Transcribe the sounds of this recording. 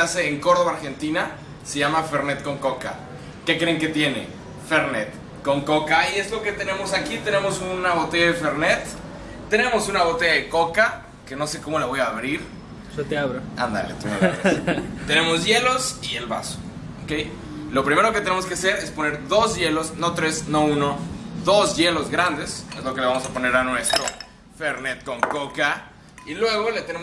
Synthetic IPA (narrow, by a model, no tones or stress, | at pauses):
ase̞ːŋko̞ɾðoβaɾxe̞nt̪ina | se̞ʝamafe̞ɾnet̪ko̞ŋko̞ka̰ | ke̞kɾe̞ŋke̞t̪je̞ne̞̰ | feɾnet̪ | ko̞ŋko̞kaie̞zlo̞ke̞t̪e̞ne̞mo̞sakit̪e̞ne̞mo̞sunaβo̞t̪e̞ʝaðefeɾnet̪ː | ene̞mo̞sunaβo̞t̪e̞ʝaðeko̞ka | ke̞no̞se̞ko̞mo̞laβo̞jaːβɾiɾ | sot̪eaβɾoa̰nd̪a̰lḛt̪oma̰l | t̪e̞ne̞mo̞zʝe̞lo̞sielβa̰so̥ | oke̞j | lo̞pɾime̞ɾo̞ket̪e̞ne̞mo̞s̬kease̞ɾe̞spo̞ne̞ɾðo̞zʝe̞lo̞sno̞t̪ɾe̞sno̞uno̞ðo̞zʝe̞lo̞zɣɾand̪e̞sezlokeleamo̞sapo̞ne̞ɾanwe̞st̪ɾo̞ | feɾnet̪̚ko̞ŋko̞ka | ilwe̞ɣo̞let̪ene̞m